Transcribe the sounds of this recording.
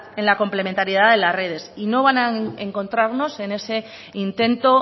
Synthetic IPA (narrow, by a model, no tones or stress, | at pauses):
e̞nlako̞mple̞ment̪aɾjiðaðe̞lasre̞ð̞e̞sino̞β̞anaeŋko̞nt̪ɾaɾno̞se̞ne̞se̞ | int̪e̞nt̪o̞